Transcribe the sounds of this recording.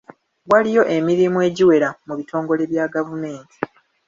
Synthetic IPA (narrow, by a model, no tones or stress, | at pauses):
ɡwalijo̞ʔe̞miɾimue̞ːɟiwe̞ɾamuβitʰo̞ːŋɡo̞le̞βjaːɡavume̞ːnti̥